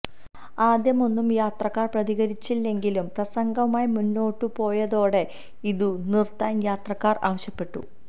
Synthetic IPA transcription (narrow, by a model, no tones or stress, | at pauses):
aːd̪jɐmo̞nːumjaːt̪rɐkːaːrprɐðiɣɐɾit͡ɕːilːe̞ŋɡilumprɐsɐŋɡɐmaːjimunːo̞ːʈːupo̞ːjɐðo̞ːɽe̞ | iðunirt̪ːaːnjaːt̪rɐkːaːra̰ːʋɐɕjɐpːe̞ʈːṵ